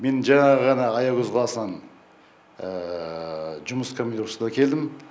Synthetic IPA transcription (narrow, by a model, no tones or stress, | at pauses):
me̞nʒɑɴɑʁəʁɑnɑːjɑɡʏzʁlˠɑsənɑn | ʒʊməskʰomid̪uɾsd̪ɑkʲʰe̞ld̪ɪm